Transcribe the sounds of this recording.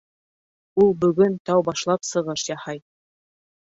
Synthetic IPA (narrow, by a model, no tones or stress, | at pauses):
ulˠbɵ̆ɡɵnt̪ɑwbɑʃlˠɑpsɤ̆ʁɤʃjɑhɑj